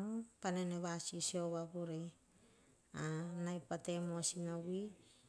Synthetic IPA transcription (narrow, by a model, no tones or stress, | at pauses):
opaneneβasiseoβabuɾe | anajpatemoasinawi